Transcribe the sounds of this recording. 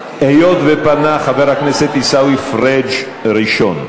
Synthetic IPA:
ejot̪vepanaχaveʁhakneset̪isawifʁed͡ʒ | ɾiʃon

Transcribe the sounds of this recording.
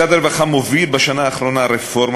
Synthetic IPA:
ad̪aɾvaχamovilbaʃanaːχɾonaɾefoɾm

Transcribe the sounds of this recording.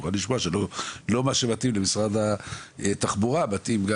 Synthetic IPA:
χaliʃmoaʃelolo̞maʃemat̪imlemisʁad̪aet̪aχbuʁabat̪imɡa

